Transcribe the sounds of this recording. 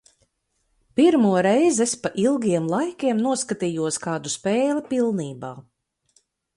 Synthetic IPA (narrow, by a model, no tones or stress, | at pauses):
piɾmuɔɾɛjzespaʔilˠɡiɛmlˠajkʲiɛmnuɔskat̪iːjuɔskaːd̪uspeːlipilˠniːbaː